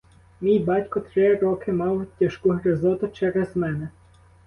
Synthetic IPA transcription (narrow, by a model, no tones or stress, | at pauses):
mʲijbɑtʲkɔt̪ɾɪɾɔkɪmɑwtʲːɐʃkuɦɾezɔt̪ʊt͡ʃɛɾezmɛnɛ